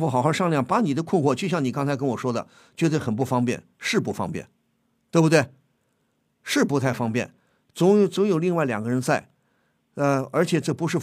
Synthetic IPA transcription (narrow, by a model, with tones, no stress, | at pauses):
fu˥˩xɑ˨˩xɑ˥˧ʂɑ˥˧ŋljɑ˥˩ŋpa˧˥ni˨˩d̪ə˦kʰwʊ˥˧nxwɔ˥˩t͡ɕʰy˥˩ɕjɑ˥˩ŋni˨˩kɑ˥ŋt͡sʰɪk̬ə˥nwɔ˨˩ʂwɔ˥d̪ə̰˨ | t͡ɕwɛ˧˥d̪ə˧˩xə˨˩np̬u˥˩fɑ˥ŋpjɛ̰˥˩n | ʂɻ̩˥˩pu˥˩fɑ̰˥ŋpjɛ̰˥˩n | t̪we˥˩bʊ˧t̪we˥˩ɪ | ʂɻ̩˥˩pu˧˥t̪ʰa˥˩ɪfɑ˥ŋpjɛ̰˥˩n | t͡sʊ˧˥ŋt͡sʊ˧˥ŋjo˨ʊli˥˧ŋwa˥˩ɪljɑ̰˨˩ŋɡə˧ɻə˧˥nsa˥˩ɪ | ə˧ə˞˧˥t͡ɕʰjɛ˨˩ʈ͡ʂɤ˥˩pu˧˥ʂɻ̩˥˩